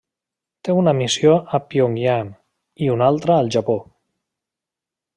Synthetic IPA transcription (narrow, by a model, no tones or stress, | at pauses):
t̪eunəmisjoʔəpioŋɡjan | iunalˠt̪ɾəːlˠʒapo